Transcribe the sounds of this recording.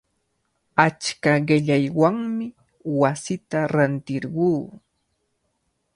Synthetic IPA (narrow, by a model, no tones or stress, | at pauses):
at͡ʃkaɢɪʎajwaŋmɪ | wasɪt̪aɾant̪ɪɾɢuː